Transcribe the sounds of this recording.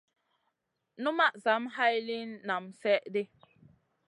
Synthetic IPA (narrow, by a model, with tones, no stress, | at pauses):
nu˦ma˦ʔza˨˦mɦa˦jli˦nːa˨msɛ˦ʔde˦